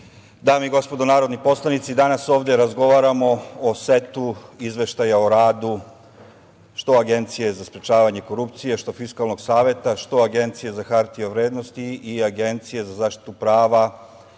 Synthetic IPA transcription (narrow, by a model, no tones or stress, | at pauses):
d̪aːmiiɡo̞spo̞d̪onaːɾo̞d̪nipo̞slˠanit̪sid̪anaso̞ːʋd̪eɾazɡo̞ʋaɾamo̞ose̞t̪uizʋe̞ʃt̪ajaoɾaːd̪u | ʃt̪o̞aɡe̞nt̪sije̞zaspɾet͡ʃaːʋaɲe̞ko̞ɾupt̪sijeʃt̪o̞fiskalˠno̞ɡsaːʋe̞t̪aʃt̪o̞aɡe̞nt̪sije̞zaxaɾt̪ijoʋɾeːd̪no̞st̪iːaɡe̞nt̪sije̞zazaːʃt̪i̥t̪upɾaːʋa